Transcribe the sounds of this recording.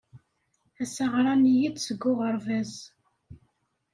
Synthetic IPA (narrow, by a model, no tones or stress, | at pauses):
æsaʁɾˤɑnijid̪səɡːʊʁəɾˤvæz